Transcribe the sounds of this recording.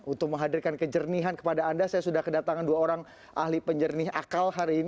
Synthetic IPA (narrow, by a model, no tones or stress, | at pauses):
unt̪ʊk̚məŋɦadirkankəd͡ʒərniɦankə̥padaːndasajasudahkədat̪aŋanduaoɾaŋ | ʔa̰ɦlipəɲd͡ʒərnɪɦa̰kalɦaɾiːn